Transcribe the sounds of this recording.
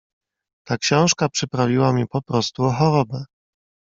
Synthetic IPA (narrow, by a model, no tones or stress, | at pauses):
t̪akɕɔ̃w̃ʂkapʂɘpɾavʲiwamʲipɔpɾɔst̪uɔxɔɾɔbɛ